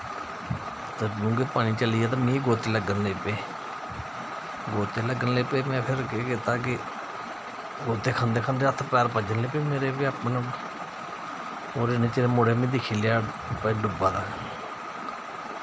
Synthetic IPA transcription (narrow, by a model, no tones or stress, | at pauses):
t̪ːd͡ʒũːɡeːpaːñiːt͡ʃəliːjɛːt̪ãːmĩːɡoːt̪eːləɡənleːpeː | ɡoːt̪eːləɡənleːpeːmɛ̃ːpʰɪɾkeːkɪt̪aːk̬ɪ | ɡoːt̪eːkʰãːnd̪eːkʰãːnd̪eːət̪ʰːpɛːɾpəd͡ʒənleːpeːmeːɾeːpiːapn | oːɾenẽːt͡ʃeːɾeːmʊɽeːmĩːd̪ɪkʰːiːleaː | pəiːɖʊbaːd̪aː